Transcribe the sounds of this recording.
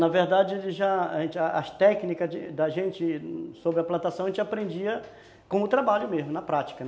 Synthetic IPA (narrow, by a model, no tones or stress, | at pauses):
nɐveɾd̪ad͡ʒɪʒaaʒẽt͡ʃɪɐɐ̰st̪ɛknikɐd͡ʒɪd̪ɐʒẽnt͡ʃɪsobɾɪɐplɐ̃t̪asɐ̃ɐẽt͡ʃapɾẽnd͡ʒiɐ | kõʊt̪ɾabaʎʊmezmʊnɐpɾat͡ʃi̥kɐn